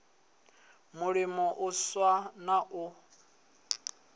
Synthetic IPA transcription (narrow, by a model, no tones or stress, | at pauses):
mʊɺimɔʔʊswanaʔʊ